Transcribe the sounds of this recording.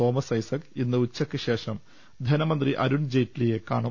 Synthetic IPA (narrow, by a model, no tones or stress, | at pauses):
o̞ːmɐsɐjsɐkinːɨut͡ɕːɐkːɨɕe̞ːʂɐm | d̪ʱɐnɐmɐnd̪riʔɐ̰ɾuɳd͡ʑejʈːilijekːaːɳu